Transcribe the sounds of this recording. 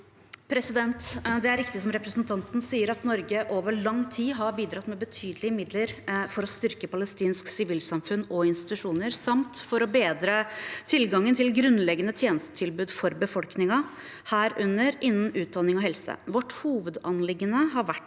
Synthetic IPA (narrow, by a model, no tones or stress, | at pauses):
pʰɾɛsɪd̪ɛnt̪d̪ɛæɾɪkt̪ɪsɔmɾɛpɾəsnt̪ʰɑnt̪n̩siːəɾɑt̪nɔɾɡəʔoːʋəɭɑŋt̪ʰiːɦɑɾbiːd̪ɾɑt̪mɛbət̪ʰyːd̪əlɪəmɪd̪ləɾfɔɾɔst̪ʏɾkəpʰɑləst̪iːnsksɪʋiːlsɑmfʉnɔɪnst̪ɪ̥t̪ʉʂuːnəɾsɑmt̪fɔɾɔbeːd̪ɾɑt̪ʰɪlɡɑŋːənt̪ʰɪlɡɾʉnlɛɡənət̪ʰjeːnəst̪ə̥t̪ʰɪlbʉːd̪fɔɾbəfɔlknɪŋɑ | hæːɾʉnːəɾɪnn̩ʉːt̪̚d̪ɑnɪŋɔhɛlsə̰ʋɔʈːhuːʋəd̪ɑnlɪɡːənəɦɑɾʋæʈː